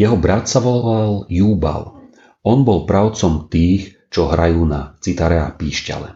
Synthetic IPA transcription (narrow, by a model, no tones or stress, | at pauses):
jɛɦɔbɾat̪saʋɔlaljuːba̰l | ɔnbɔlpɾaʊt͡sɔmt̪iːx | t͡ʃɔɦɾajuːnat͡sit̪aɾɛapiːʃca̰lɛ̰